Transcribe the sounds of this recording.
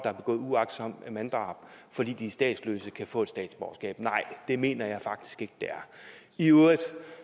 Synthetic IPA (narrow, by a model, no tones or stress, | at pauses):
d̥ɑ̈æɐb̥e̝ɡɔ̰̽ːð̩ˠuɑ̈ɡ̥d̥sɒ̽m̰mænd̥ʁɑ̰̈b̥fɒ̽d̥ḭːd̥isd̥ɛ̰ːd̥sløsəkʰæfɔ̰ːe̝d̥sd̥ɛ̰ːd̥sb̥ɒʊsɡ̥ɛ̰ːb̥nɑ̈ɪ̰d̥e̝me̝̰ːnɐjɑ̈ɪfɑ̈ɡ̥d̥i̥sɡ̥e̝ɡ̥əd̥eæɐ | iøɐðˠ